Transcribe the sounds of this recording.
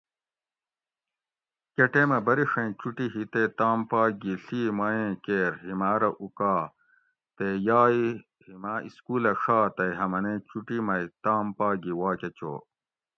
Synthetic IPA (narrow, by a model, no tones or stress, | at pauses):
keʈemɐbɐɾiʂɐ̃t͡ɕuʈiɦit̪et̪aːmpaːɡiɬiːmaːẽːkeːɾɦimaːɾɐʔukaː | t̪ejaːi | himaːʔiskuːlɐʂaːt̪ɐjɦɐmɐnẽːt͡ɕuʈimɐit̪aːmpaːɡiwaːket͡ɕo̰ː